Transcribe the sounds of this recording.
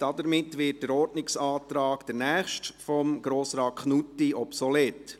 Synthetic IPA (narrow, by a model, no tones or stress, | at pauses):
d̥ɑdəɾmɪtːʋɪt̚d̥əɾɔɾdnɪksɑːtɾɑːkd̥əɾnɛæːχʃtfɔmɡ̥ɾoːsɾɑːt̚kʰχnutːiɔpsɔlɛt